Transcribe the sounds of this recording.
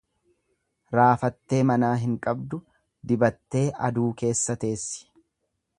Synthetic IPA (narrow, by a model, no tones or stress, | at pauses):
ɾaːfɐt̪ːe̞ːmɐnaːɦɪŋkʼɐbd̪ʊ | d̪ɪbɐt̪ːe̞ːʔɐd̪uːke̞ːsːɐt̪e̞ːsːɪ̥